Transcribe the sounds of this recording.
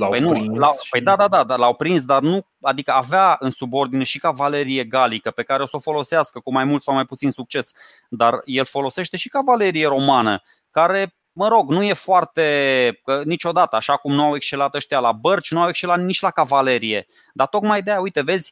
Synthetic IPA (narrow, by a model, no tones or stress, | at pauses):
pəjnulapəjd̪ad̪ad̪ad̪alawpɾinsd̪arnu | ad̪ikəaveaɨnsubo̞rd̪ine̞ʃikavale̞ɾije̞ɡalikəpe̞kaɾe̞o̞so̞fo̞lo̞seaskəkumajmult̪sawmajput̪sinsuk̚t͡ʃe̞s | d̪arje̞lfo̞lo̞se̞ʃt̪e̞ʃi̥kavale̞ɾije̞ɾo̞manə | kaɾe̞ | məɾo̞ɡnuje̞foart̪e̞ənit͡ʃo̞d̪at̪əaʃakumnuawe̞kst͡ʃe̞lat̪əʃt̪ejalabərt͡ʃnuawekst͡ʃelat̪nit͡ʃʲlakavale̞ɾije̞ | d̪at̪o̞kmajd̪ejaujt̪e̞ve̞zʲ